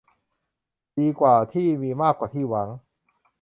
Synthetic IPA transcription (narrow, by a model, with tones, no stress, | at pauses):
diː˧kwaː˨˩t̪ʰiː˥˩miː˧maː˥˩kːwaː˨˩t̪ʰiː˥˩wa˩˦ŋ